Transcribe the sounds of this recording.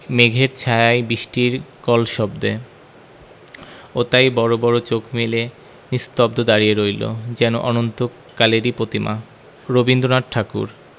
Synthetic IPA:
meɡʱeɾt͡ɕʰajajbiʃʈiɾkɔlʃɔbd̪e | ot̪ajbɔɾobɔɾot͡ɕokmele | nist̪ɔbd̪ʱod̪aɾieɾojlo̰d͡ʑɛno̰ʔɔnont̪o | kaleɾipɾot̪ima̰ | ɾobind̪onaʈ̚ʈʰakṵɾ

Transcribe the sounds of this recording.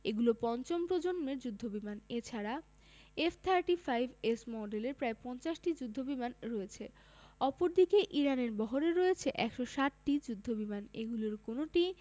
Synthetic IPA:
eɡulopɔnt͡ɕompɾod͡ʑonmeɾd͡ʑud̪ʱːobimanet͡ɕʰaɾa | eft̪ʰaɾʈifʰajbʱesmɔɖeleɾpɾaepɔnt͡ɕaʃʈid͡ʑud̪ʱːobimanɾɔet͡ɕʰe | ɔpoɾd̪ikeʔiɾaneɾbɔɦoɾeɾɔet͡ɕʰeʔɛkʃoʃaʈʈid͡ʑud̪ʱːobimanḛɡuloɾkonoʈi

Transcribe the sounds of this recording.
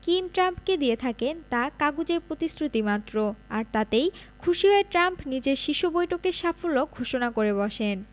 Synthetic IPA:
kimʈɾampked̪iet̪ʰakent̪akaɡud͡ʑeɾpɾot̪isɾut̪imat̪ːɾoaɾt̪at̪ejkʰuʃiɦɔeʈɾampnid͡ʑeɾʃiʃubojʈokeɾʃafolːoɡʱoʃonakoɾeβɔʃen

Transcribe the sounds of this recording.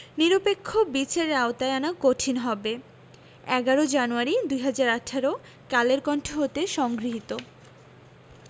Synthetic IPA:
niɾopekʰːobit͡ɕʰeɾːaot̪aeanakoʈʰinɦɔbe | ɛɡaɾod͡ʑanuaɾid̪uɦad͡ʑaɾaʈʰaɾo | kaleɾkɔnʈʰoɦot̪eʃɔŋɡɾiɦit̪o

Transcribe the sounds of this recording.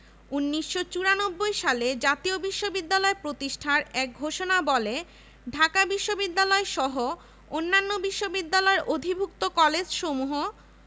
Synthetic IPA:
unːiʃːot͡ɕuɾanobːojʃaled͡ʑat̪iobiʃːobid̪ːalɔepɾot̪iʃʈʰaɾɛk̚ɡʱoʃonabɔle | ɖʱakabiʃːobid̪ːalɔeʃɔɦo | onːanːobiʃːobid̪ːalɔeɾʔod̪ʱibʱukt̪okɔled͡ʑʃomuɦo

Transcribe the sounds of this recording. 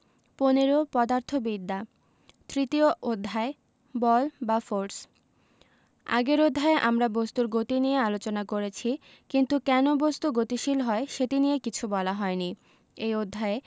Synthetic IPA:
poneɾopɔd̪aɾt̪ʰobid̪ːa | t̪ɾit̪ioʔod̪ʱːae | bɔlbafoɾs | a̰ɡeɾod̪ʱːaeʔamɾabost̪uɾɡot̪inijealot͡ɕonakoɾet͡ɕʰi | kint̪ukɛnobost̪uɡot̪iʃilɦɔeʃetinijekit͡ɕʰubɔlaɦɔeni | ejod̪ʱːae

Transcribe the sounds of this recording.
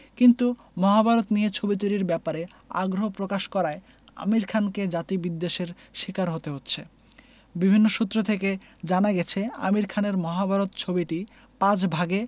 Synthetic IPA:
kint̪u | mɔɦabʱaɾot̪nijet͡ɕʰobit̪̬oɾiɾbɛpaɾe | a̰ɡɾoɦopɾokaʃkɔɾae | a̰miɾkʰanked͡ʑat̪ibid̪ːeʃeɾ | ʃikaɾɦot̪eɦotːɕʰe | bibʱinːoʃut̪ːɾot̪ʰeke | d͡ʑanaɡɛt͡ɕʰea̰miɾkʰaneɾmɔɦabʱaɾot̪t͡ɕʰobiʈi | pãd͡ʑbʱaɡe

